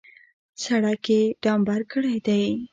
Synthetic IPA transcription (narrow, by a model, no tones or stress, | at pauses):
saɽakeɖɑmbaɾkəɽajd̪aj